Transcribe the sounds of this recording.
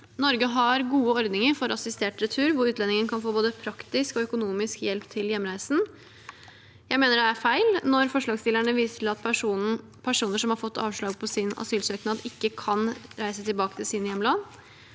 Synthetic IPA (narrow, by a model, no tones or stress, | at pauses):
nɔɾɡəɦɑɾɡuːəɔɾd̪nɪŋəɾfɔɾʔɑsɪst̪eːʈɾət̪ʰʉːɾʋʊɾʉːt̪lɛnɪŋənkʰɑnfoːboːd̪əpʰɾɑkt̪ɪskɔœkʊnuːmɪskjɛlpt̪ʰɪljɛmːɾæɪsn̩ | jæɪmeːnəɖɛæfæɪlnɔɾfɔʂɭɑːɡst̪ɪlæɳəʋiːsət̪ʰɪlɑt̪pʰæʂ | pʰæʂuːnəʂɔmhɑɾfɔt̪ːɑ̰ːʋʂɭɑːɡ̚pʰɔsɪnɑ̰syːlsøːknɑːd̪ɪkːəkʰɑnɾæɪsət̪ʰɪlbɑːkə̥t̪ʰɪlsɪnjɛmːlɑd̪